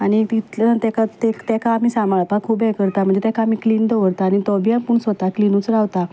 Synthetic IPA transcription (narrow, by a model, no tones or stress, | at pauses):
añit̪it̪lət̪ɛkat̪ekt̪ɛkʰaːm̤iːsamaɭpakʰuːpɛkəɾt̪am̤əɳd͡zd͡ʑet̪ɛkʰaːm̤ikliːnd̪əʋəɾt̪aːñit̪ɔbijãmpuːɳsʋət̪aklinut͡sɾaʋt̪a